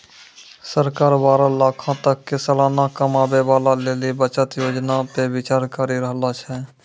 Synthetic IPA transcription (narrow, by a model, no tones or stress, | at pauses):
səɾkaːɾbaːɾalaːkʰãt̪əkːesəlaːnakəmaːbebaːlaleːlibət͡ʃət̪joːd͡ʒnapebɪt͡ʃaːɾkəɾiɾəɦlat͡ʃʰɛ